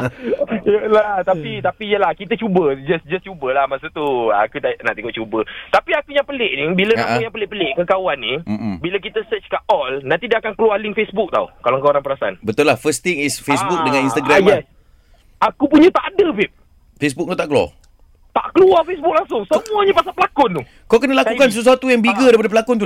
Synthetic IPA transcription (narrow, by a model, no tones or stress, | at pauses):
lat̪apit̪apijəlahkit̪̬ət͡ʃubəd͡ʒasd͡ʒast͡ʃubəlahmasut̪ua̰kut̪aʔnaʔt̪iŋuʔ̚t͡ʃubət̪apiakuɲãŋpəlɪʔnibilənaaujaŋpəlɪʔpəlɪʔkəkawanːibiləkit̪əsət͡ʃkaʔɔlnaʔt̪idaʔakankəlualɪŋfesbuk̚t̪a̰wkalaŋkaoɾaŋpəɾasanbət̪ʊlahfəst̪iŋisfesbuk̚dəŋãninst̪aɡɾamɛs | akupuɲət̪aʔadəbip̚ | fes̬buk̚ŋat̪aʔkəluwa̰ | t̪a̰ʔkəluafesbuk̚laŋsʊŋsəmuaɲapasapəlakʊnt̪u | kawkənəlakukans̬əs̬uat̪ujaŋbiɡədaɾip̬adəpəlakʊnt̪u